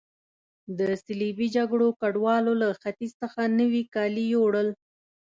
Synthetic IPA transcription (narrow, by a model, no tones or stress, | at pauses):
d̪əsɪlibid͡ʒaɡɽokaɖwɑlolaxat̪izsəxanəwikɑlijowɽəl